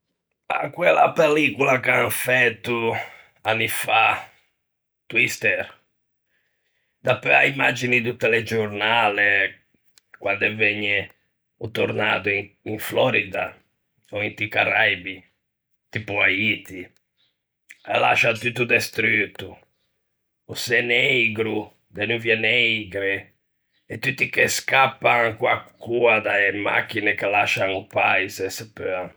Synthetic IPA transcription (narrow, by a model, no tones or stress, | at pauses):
a̰kwɛlːa̰pelikulakaɱfɛt̪ːu | anːifa | t̪wist̪ɛɾ | d̪apːɛa̰imːad͡ʒinit̪ut̪ːeled͡ʒoɾnale | kwand̪ɛveɲːɛ | ut̪oɾnat̪uiɱflɔɾid̪a | oint̪ikarajbi | t̪ipuait̪i | ɛla̰ʃat̪ut̪ːud̪est̪ɾyt̪ːu | useneiɡɾu | d̪enuvjɛneiɡɾe | et̪ːut̪ːikeskapːaŋkwakːuad̪aema̰kːinekelaʃanupaisɛsɛpøa